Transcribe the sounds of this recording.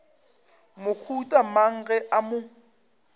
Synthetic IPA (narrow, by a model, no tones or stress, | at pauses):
mʊk͡xʰutʼamaŋ̩ɣɛʔamʊ